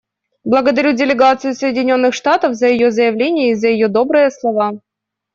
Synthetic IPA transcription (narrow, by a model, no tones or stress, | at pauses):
blˠəɡəd̪ɐɾʲudʲɪlʲɪɡat̪sɨjʊsəjɪdʲɪnʲo̞nːɨxʂt̪at̪əvzəjɪjozəjɪvlʲenʲɪjəizəjɪjo̞d̪o̞bɾɨjəslˠɐva